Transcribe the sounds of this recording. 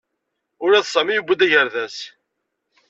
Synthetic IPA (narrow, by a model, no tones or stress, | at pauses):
ʊɾæðsˤɑmijubʷːəd̪æʝəɾðæs